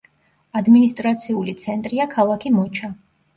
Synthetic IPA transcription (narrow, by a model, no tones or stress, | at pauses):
ad̪minist̪ʼɾat̪sʰiulit̪sʰɛnt̪ʼɾiakʰalˠakʰimɔt͡ʃʰa